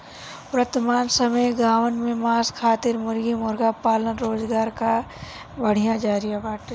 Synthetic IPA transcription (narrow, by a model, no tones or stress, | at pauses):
pɾət̪maːnsəmejɡaːʋənmẽmaːskʰaːt̪ɪɾmʊɾɡimʊɾɡapaːlənɾoːzɡaːɾka | bəɽ̤ijãd͡ʒaːɾijabaːʈ